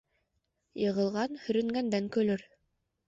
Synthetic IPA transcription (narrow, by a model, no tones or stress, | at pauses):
jɤ̆ʁɤ̆lˠʁɑnhɵ̆ɾɵ̆ŋɡænd̪æŋkɵ̆lɵɾ